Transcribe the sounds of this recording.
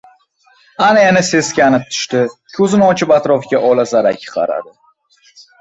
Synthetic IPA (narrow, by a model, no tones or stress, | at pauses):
anajanɪse̞zkʲanɪp̚t̪ʰʊ̥ʃt̪ɪkʲʰɵzɪnɪɒt͡ʃʰɪpat̪ɾɒfɡʲaʔɒlazaɾa̰kʲʰːɪ̥qʰɑ̰ɾa̰d̪ɪ